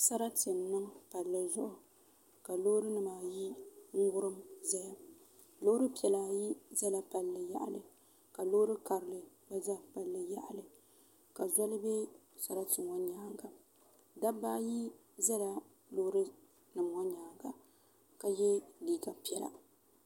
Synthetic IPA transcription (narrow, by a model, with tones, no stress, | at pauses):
sa˦ɾa˦tɨ˨mnɨ˦mpa˨lːɨ˨zʊ˦ʔʊ˨ | ka˨lo˦ɾɨ˦nɨ˨maː˨ji˦ŋ̩˦ɡʊ˦ɾɨ˦mza˦ja˨ | lo˦hɾɨ˦pi˨ɛ˨laː˨ji˦za˦la˨pa˨lːɨ˨ja̰˦˨ʔlɨ˨ | ka˨lo˦hɾɨ˦ka˨ɾɨ˨lɨ˨ | ba˦za˦pa˨lːɨ˨ja̰˦ʔa˨lɨ˨ | ka˨za˦lɨ˦bɛ˦sa˨ɾa˦tɨ˨ŋɔ˦ɲaː˨˦ŋɡa˨ | da˦ba˦ji˦ | za˦la˦ | lo˦hɾɨ˦ | nɨ˨mŋɔ˦ɲaː˨ŋɡa˨ | ka˨jɛ˦liː˦ka˨pi˨˦ɛ˨la̰˨